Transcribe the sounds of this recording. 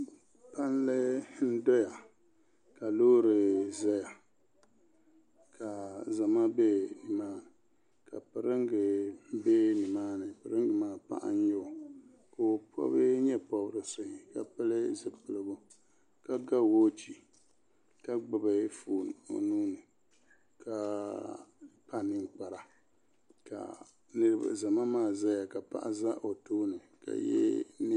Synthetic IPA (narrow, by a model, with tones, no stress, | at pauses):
pa˦n˦lɨ˦n̩˦dɔ˦ja˨ | ka˨loː˦ɾɨ˨zɛ˦ja˨ | kʰa˨za˨ma˦be˦nɨ˨maː˦˨ | ka̰˨pɨ˨ɾɨ˦ŋ˦ɡɨ˨be˦nɨ˨maː˦nɨ˨pɨ˨ɾɨ˦ŋɡɨ˨maː˦pa̰˦ʔa̰˦n˦ɲo˦˨ | ko˨pʰɔ̰˦bɨ˦ɲɛ˦pɔ˦bɾɨ˨so˨ɲi˨ka˨pɨ˦lɨ˦zɨ˨pɨ˨lɨ˨bʊ˦ | ka˦ɡa˦woː˦t͡ʃi˨ | ka˦ɡ͡bɨ˨ba˨˦fuː˨no̰˨nuː˦nɨ˨ | ka˨ | pa˦˨nɨ˦ŋk͡pa˨ɾa˨ | ka̰˨ | nɨ˦ɾɨ˦ba̰˨za˨ma˦maː˦˨za˦ja˨ka˨pa̰˦ʔa˦za˦ʔo˨toː˦nɨ˨ | ka̰˨jɛ̰˦n˦